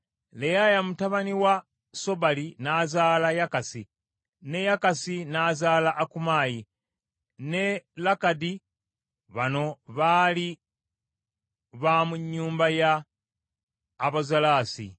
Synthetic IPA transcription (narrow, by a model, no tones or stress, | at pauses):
lejajamutaβaniwa | so̞βalinaːzaːlajakasi | ne̞jakasinazaːlaʔːkumaːji | nelakadi | βano̞βaːli | βamuɲːuːmbaja | βazalaːsḭ